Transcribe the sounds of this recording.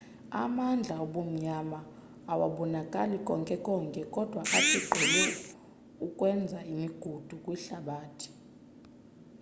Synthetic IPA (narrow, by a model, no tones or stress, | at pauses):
a̰mand͡ɮʱaɔɓom̩ɲamaː | wa̰ɓɔnakʼalikʼɔŋkʼɛkʼɔŋkʼɛkʼɔd̥ʱwaʔatʰʼiǃʱɛlɛ | ukʼwɛnd͡zʱaimiɡ̥ʱud̥ʱukʼwiɬaɓaːtʰi̥